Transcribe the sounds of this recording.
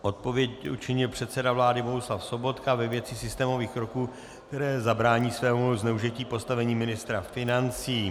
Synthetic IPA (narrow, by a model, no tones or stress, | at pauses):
ʔo̞t̪̚po̞vjɛcut͡ʃɪɲɪlpr̝̥ɛt̪sɛdavlaːdɪbo̞ɦuslafso̞bo̞t̪kavɛvjɛt͡sɪsɪst̪ɛːmo̞viːxkɾokuː | kkt̪ɛɾɛːzabɾaːɲiːsvɛːmuznɛuʒiciːpo̞st̪avɛɲiːmɪnɪst̪ɾafɪnant͡siː